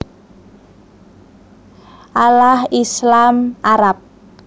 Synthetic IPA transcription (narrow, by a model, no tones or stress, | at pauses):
ʔalahislamʔaɾap̚